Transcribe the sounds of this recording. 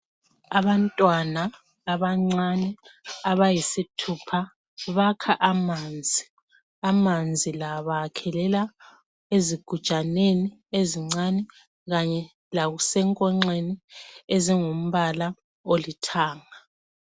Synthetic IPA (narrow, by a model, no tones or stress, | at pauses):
aβantʼwanaː | βaŋ͡ǀanɛaβajisitʰupʰa | βakʰaʔamand͡zʱi | amand͡zʱilaβakʰɛlɛla | eziɡ̥ʱu̥t͡ʃʼanenieziŋ͡ǀanɛ | ɣaɲɛ | laɣusɛŋkʼɔŋ͡ǀenieziŋum̩βala | olitʰaːŋa